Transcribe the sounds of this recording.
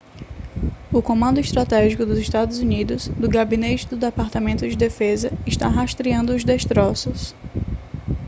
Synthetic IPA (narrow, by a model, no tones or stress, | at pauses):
ʊkõmɐ̃nd̪ʊiʃt̪ɾat̪ɛʒikʊd̪ʊziʃt̪ad̪ʊzunid̪ʊzd̪ʊɡabinet͡ʃɪd̪ʊd̪epaɾt̪amẽnt̪ʊd͡ʒɪd̪efezɐɪʃt̪a̰ɦast̪ɾiɐ̃nd̪ʊʊzd̪eʃst̪ɾɔsʊs